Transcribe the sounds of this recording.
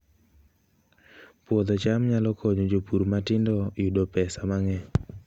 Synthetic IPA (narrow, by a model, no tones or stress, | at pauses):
pwɔd̪ɔt͡ʃamɲalɔkʰɔɲod͡ʒopuɾmatɪndɔjudopɛsamaŋɛ